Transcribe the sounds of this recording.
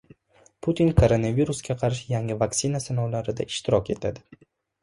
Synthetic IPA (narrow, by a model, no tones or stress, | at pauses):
pʰut̪ʰinkʰoɾonaviɾusɡʲaqʰɑɾʃɪjaŋɪvakt̪sɪnasanɒwlaɾɪd̪a̰ɪʃt̪ɪɾɒkʲe̞t̪ʰad̪ɪ